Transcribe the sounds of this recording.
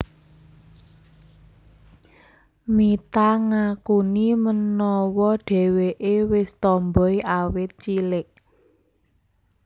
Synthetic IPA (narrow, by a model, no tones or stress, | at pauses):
mit̪aŋakunimənɔwɔɖ̥ɛ̤weʔewɪst̪ɔmbɔjawɪt̪̚t͡ʃilɪʔ